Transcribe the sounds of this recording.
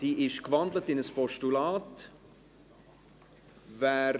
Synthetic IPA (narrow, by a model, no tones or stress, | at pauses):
d̥iːʔɪʃkvɑndlətɪnəspɔʃtulɑːt | væː